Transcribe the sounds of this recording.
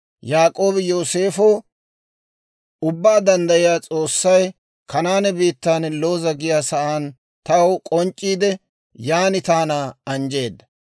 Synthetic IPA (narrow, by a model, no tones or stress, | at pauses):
jaːkʼo̞ːbɪjoːse̞ːfo | ʊbːaːd̪ɐnd̪ɐjɪjaːt͡sʼo̞ːsːɐj | kɐnaːnɛbiːt̪ːaːnlo̞ːzɐɡɪjaːsɐʔaːn | t̪ɐwkʼɔnt͡ʃʼːiːd̪ɛ | jaːnɪt̪aːnaːɐnd͡ʒe̞ːd̪ːɐ